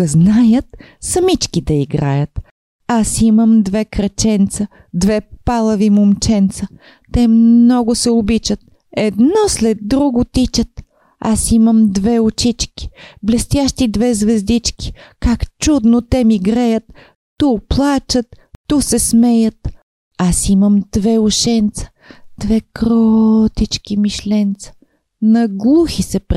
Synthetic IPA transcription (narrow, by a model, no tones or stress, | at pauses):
əznajət̪ | sɐmit͡ʃkid̪ɐiɡɾa̰jət̪ | asiməmd̪vɛkɾɐt͡ʃɛnt̪sə | d̪vɛpalˠəvimomt͡ʃɛnt̪sə | t̪ɛmnɔɡʊsɛʊbit͡ʃət̪̚ | ɛd̪nɔslɛd̪̚ːɾuɡʊt̪it͡ʃət̪ | asiməmd̪vɛʊt͡ʃit͡ʃki̥blɛst̪jaʃt̪id̪vɛzvɛzd̪it͡ʃki̥kakt͡ʃud̪not̪ɛmiɡɾajət̪ː | uplˠat͡ʃət̪ː | usɛsmɛjət̪ | asiməmd̪̥vɛʊʃɛnt̪sə̥ | d̪̥vɛkɾɔt̪it͡ʃkimiʃlɛnt̪sə̥ | nɐɡlˠuxisɛpɾ